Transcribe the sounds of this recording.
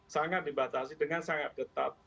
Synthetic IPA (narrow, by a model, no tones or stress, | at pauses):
saŋat̪̚dibat̪asidəŋansaŋat̪̚kət̪ap̚